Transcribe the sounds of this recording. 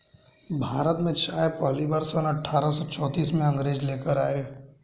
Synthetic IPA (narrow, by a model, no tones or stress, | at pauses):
bʱaːɾət̪mẽt͡ʃaːjpɔɦlibaːɾsɔːnɐʈʰːaːɾəsɔt͡ʃɔːt̪iːsmẽɐ̃ŋɡɾeːd͡ʒleːkəɾaːeː